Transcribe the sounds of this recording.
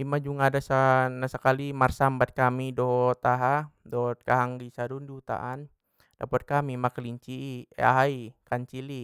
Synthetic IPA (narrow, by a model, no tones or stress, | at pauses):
imad͡ʒuŋadasanasəkalimarsambat̪̚kamidɔɦɔt̪aɦadɔt̪̚kaɦaŋɡisadundiut̪a̰ʔan | dapɔt̪̚kamimakliɲt͡ʃiːḛa̰ɦaikaɲt͡ʃili